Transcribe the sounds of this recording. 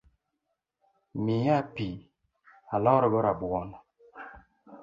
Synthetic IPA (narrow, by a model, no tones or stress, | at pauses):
mijapi | alɔɾɔbɔɾabwɔn